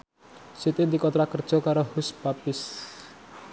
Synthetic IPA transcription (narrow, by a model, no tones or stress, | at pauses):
set̪ed̪ikɔt̪ɾakərd͡ʒɔkaɾɔhusbapis